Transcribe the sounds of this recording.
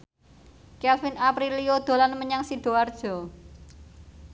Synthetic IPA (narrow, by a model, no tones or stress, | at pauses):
kɛlfinapɾilijod̪̥o̤lanməɲaŋsid̥o̤ard̥ʒ̥ɔ̤